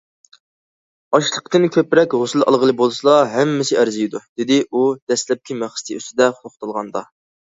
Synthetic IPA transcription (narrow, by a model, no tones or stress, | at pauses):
ɑʃlˠəqt̪ɨnkʲʰøpɾɛkʲhosɨlˠɑ̰lˠʁəlˠɨbolˠɨsɨlˠɑɦɛmːɪsɪʔæɾzijd̪ud̪̥ɪd̪ɪud̪̥ɛslɛp̚kʲʰimæχst̪ʰɨy̰st̪ɪd̪ɛχʊχt̪ɨlˠʁɑnd̪ɑ̰